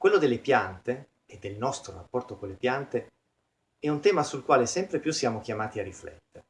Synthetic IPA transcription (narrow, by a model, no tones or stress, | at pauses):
kwelːod̪elːepjant̪e | ed̪ːelnɔst̪ɾorapːɔrt̪okolːepjant̪e | ɛunt̪ɛːmasulkwaːlesɛmpɾepjusːjaːmok̟jamaːt̪iarːiflɛ̰t̪ːeɾe